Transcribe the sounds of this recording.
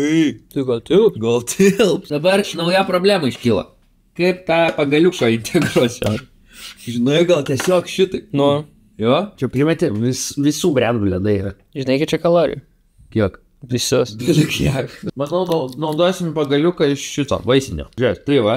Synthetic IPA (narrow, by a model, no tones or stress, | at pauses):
ɪɪt̪ɪɡɐlt̪ʲɪlˠpɡɐlˠt̪ʲʰɪlˠpd̪ɐbɐrnɐʊjæːpɾoːbʲlʲæːmɐɪʃʲkʲilˠɐ̰ | kɐɪpt̪ɑːpɐɡɐlʲʊkʃoːɪnʲt̪ʲɛɡɾuɔsʲo | ʒʲɪnɐɪɡɐlˠt̪ʲiɛsʲoːkʃʲɪt̪ɐɪpnʊ | joːt͡ʃʲɛpʲɾʲimɐt̪ʲɪʋʲɪsʋʲɪsuːbʲɾʲæːnɾulʲɛd̪ɐɪɐ | ʒʲɪnɐɪkʲɪt͡ʃʲɛkɐlˠoːɾʲɪ̰jo | kʲiɛk | ʋʲɪsʲoːskʲikmɐnɐʊnɐʊnɐʊd̪oːsʲɪmɪpɐɡɐlʲʊkɐɪʃʃʲɪt̪o̰ːʋɐɪsʲɪnʲɛ̰ːʒʲuːt̪ɐɪʋɐ